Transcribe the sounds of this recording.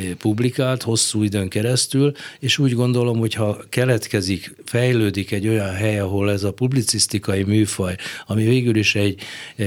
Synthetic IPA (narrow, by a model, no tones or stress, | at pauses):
publikaːlt̪ho̞sːuːid̪øːŋkɛɾɛst̪yleːʃuːɟɡo̞nd̪o̞lo̞mho̞chɒkɛlɛt̪kɛzikfɛjløːd̪ikɛɟːo̞jɒnɦɛjɒɦo̞lɛzɒpublit̪sist̪ikɒjimyːfɒjɒmiveːɡyliʃɛɟ